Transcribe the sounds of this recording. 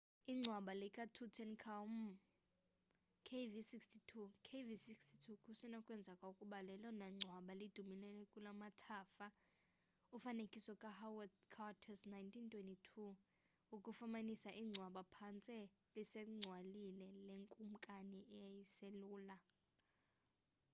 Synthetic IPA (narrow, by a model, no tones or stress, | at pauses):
iŋ͡ǀʱwaɓalɛkʼatʰutʰɛnkʰam | kʰevisikstʰitʰukʰevisikstʰitʰukʰusinakʼwɛnd͡zʱakʼaukʼuɓalɛlɔnaŋ͡ǀʱwaɓalid̥ʱumilɛlɛkʼulamatʰaːfa | ufanekʼisɔkʼahawkʰawatʰɛsnajntʰintʰʼwentʼitʰu | ukʼufamanisaʔiŋ͡ǀʱwaɓapʰant͡sʼɛ | lisɛŋ͡ǀʱwalilɛleŋkʼum̩kʼaniʔɛjajiseluːla